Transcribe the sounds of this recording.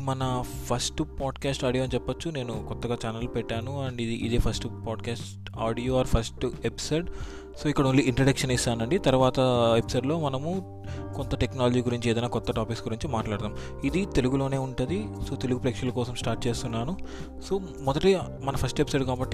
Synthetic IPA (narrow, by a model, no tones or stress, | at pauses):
mɐnɐpʰɐsʈpaːɖkaːsʈaːɽijoɐnt͡ʃɛpːɐt͡ʃːune̞ːnukɔt̪ːɐɡaːt͡ʃaːnɐlpɛʈːaːnuɐɳɖid̪iʔḭd̪eːpʰɐsʈpaːɖkaːsʈ | aːɽijoːaːɾpʰɐsʈepi̥soːɖ | so̞ːikːɐɽɐmuɭlːiiɳʈɾɐɽɐkʂɐnist̪aːnɐɳɖit̪ɐɾuʋaːt̪ɐepi̥soːɖlo̞ːmɐnɐmu | kont̪ɐʈeknaːlɐd͡ʒiːɡuɾiɲt͡ʃiɛːd̪ɐjnaːkɔt̪ːɐʈaːpiksɡuɾiɲt͡ʃimaːʈlaːɽɐt̪aːm | id̪it̪e̞luɡulo̞ːne̞ːuɳʈund̪iso̞ːt̪eluɡupɾekʂɐlɐkɔːsɐmsʈaːɾʈ̚t͡ʃe̞ːst̪unːaːnu | so̞ː | mɔd̪ɐʈi | mɐnɐpʰɐsʈepisoːɖkaːbɐʈːi